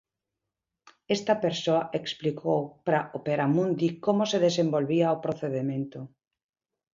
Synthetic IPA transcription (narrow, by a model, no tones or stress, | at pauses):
est̪ɐpeɾsoaʔeksplikʰowpɾaʔopeɾamũnd̪ikomoseðesembolβiaopɾoθeðemẽnt̪o